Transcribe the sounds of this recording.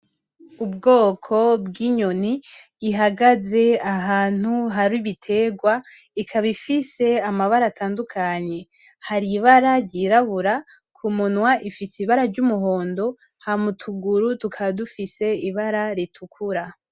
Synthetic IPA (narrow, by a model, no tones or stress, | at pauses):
ub̚ɡo̞ːkʰo̞bɡiɲoniː | ɦaɡaze̞aɦaːn̥huɦaɾiβitʰe̞ːɡwa | ikʰaβifise̞amaβaɾatʰaːndukʰaɲe̞ | haɾiβaɾaɾɟiːɾaβuɾa | kʰumunwaʔifisiβaɾaɾɟumuɦo̞ːndo̞ | hamutʰuɡuɾutukʰaβadufise̞iβaɾaɾitʰukʰuɾa